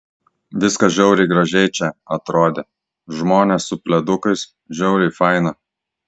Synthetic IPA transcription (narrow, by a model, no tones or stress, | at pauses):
ʋʲɪskɐʒʲɛʊɾʲɪɪɡɾɐʒʲɛɪt͡ʃʲɛɐt̪ɾoːd̪ʲeː | ʒmoːnʲeˑssʊpʲlʲɛd̪ʊkɐɪs | ʒʲɛʊɾʲɪfɐɪnɐ